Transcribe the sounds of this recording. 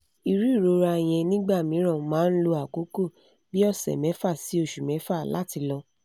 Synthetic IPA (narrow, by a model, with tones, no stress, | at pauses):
i˨ɾi˦i˦˨ɾo˨˦ɾa˧˨j̃ɛ̃˧nĩ˦ɡ͡ba˦˨mĩ˨˦ɾ̃ã˦˨mãː˨˦n̩˦lo˧a˨ko˨˦ko˦˨ | bi˦ɔ˦˨sɛ̰˨mɛ̃˨˦fa˦˨si˨˦o˦˨ʃu˨mɛ̃˨˦fa˦˨la̰˨˦ti˧lɔ˧